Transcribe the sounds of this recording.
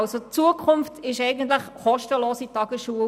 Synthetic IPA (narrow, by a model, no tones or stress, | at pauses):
lsot͡suəkʰχʊmftɪʃɛɪɡəntləχχɔʃtəloːsitɑɡ̥əsʃuə